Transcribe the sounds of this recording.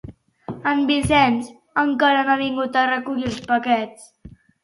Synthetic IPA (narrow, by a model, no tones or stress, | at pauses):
əmbisɛnz | əŋkaɾənaβiŋɡut̪ərəkuʎilˠspəkɛt͡s